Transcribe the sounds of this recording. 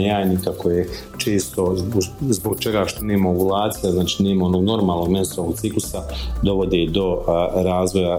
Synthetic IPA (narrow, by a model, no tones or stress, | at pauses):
jaːnikakʰoje | t͡ʃe̞ːst̪o̞zboɡ̚t͡ʃe̞ɡaʃt̪oneːmaeɡulˠaːt̪sijaznaːt͡ʃiːneːmao̞noɡno̞ɾmaːlno̞ɡmjest̪aoʋoɡ̪siklusad̪o̞ʋo̞d̪ed̪o̞ɾaːzʋo̞ja